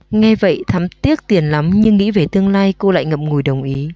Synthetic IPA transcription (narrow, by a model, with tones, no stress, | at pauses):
ŋɛ˧və̰˧˨jt̪ʰa˨˦mt̪i˦˥ək̚t̪i˨˩ənla˨˦mɲɨ˧ŋːḭ˧˥ve˨˩t̪ɨ˧əŋlaː˧jko˧la̰ː˧˨jŋə̰˧˨p̚ŋu˨˩jɗə˨˩wŋ͡mʔi˨˦